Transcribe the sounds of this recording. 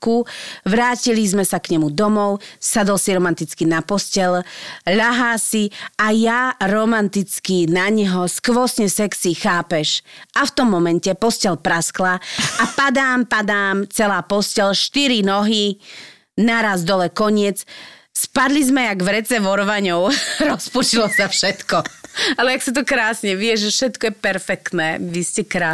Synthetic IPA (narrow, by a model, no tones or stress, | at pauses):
kuʋɾaːcilizmɛsakɲɛmud̪ɔmɔʊsad̪ɔlsiɾɔmant̪it͡skinapɔscɛlʎaɦaːsiajaɾɔmant̪it͡skinaɲɦɔskʋɔsɲɛsɛksixaːpɛʃʔaft̪ɔmːɔmɛncɛpɔscɛlpɾasklaapad̪aːmpad̪aːmt͡sɛlaːpɔscɛlʃt̪iɾinɔɦi | naɾazd̪ɔlɛkɔɲɪɛd͡z | spad̪lizmɛaɡʋɾɛt͡sɛʋɔɾʋaɲɔʊɾɔsput͡ʃilɔsafʃɛt̪kɔalɛaksat̪̬ɔkɾaːsɲɛʋɪɛʒʒɛfʃɛt̪kɔjɛpɛɾfɛkt̪nɛːʋiscɛkɾa